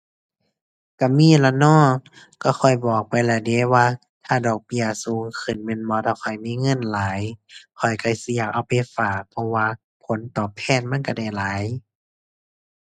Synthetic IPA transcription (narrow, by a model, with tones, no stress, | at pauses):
ka˧˩miː˧˥˨la˧nɔː˧˥˩ | ka˧˩xʰɔ˨˩jbɔː˨˩k̚pa˨jlɛ˧˩de˧˦waː˧ | t̪ʰaː˧˩dɔː˨˩k̚bi˧˩ɐsuː˨˦ŋkʰɯ˨˩˨nmɛ˧˥˨nbɔː˧˦t̪ʰaː˧˩kʰɔ˨˩jmiː˧˥˨ŋɤ˧˥˨nlaː˨˦jkʰɔ˨˩jkʰa˧˩jsi˧˦jaː˨˩k̚ʔa˧˩wpa˨jfaː˨˩k̚pʰɔ˧waː˧˨ | pʰo˨˦nt̪ɔː˨˩p̚ʰɛː˧˥˨nma˧˥˨nka˧˩da˧˩jlaː˨˦j